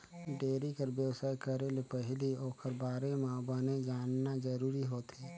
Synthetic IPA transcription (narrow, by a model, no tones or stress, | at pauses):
ɖeːɾikəɾbjəwsaːjkəɾelepəɦlioːkəɾbaːɾemãːbaned͡ʒaːnnad͡ʒəɾuːɾiɦoːt̪ʰeː